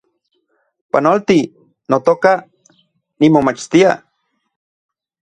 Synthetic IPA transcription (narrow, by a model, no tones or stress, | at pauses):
panolt̪i | not̪oka | nimomat͡ʃt̪ia̰